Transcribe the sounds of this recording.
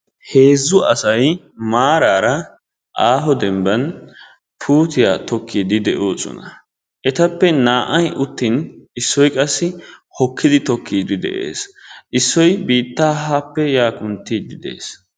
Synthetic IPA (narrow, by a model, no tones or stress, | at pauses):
he̞ːzːʊɐsɐj | maːɾaːɾɐ | ʔaːɦɔd̪ɛmbɐn | pʰuːt̪ɪjat̪ɔkʰːiːd̪ɪd̪ɛʔoːsɔ̰nɐ̰ | ʔɛt̪ɐpːɛnaːʔɐjʔʊt̪ːinɪsːɔjkʼɐsːɪhɔkʰːɪd̪ɪt̪ɔkʰːiːd̪ɪd̪ɛ̰ʔḛːsʔɪsːɔjbiːt̪ːaːɦaːpːɛjaːkʼʊnt̪ːid̪ɪd̪e̞̰ːs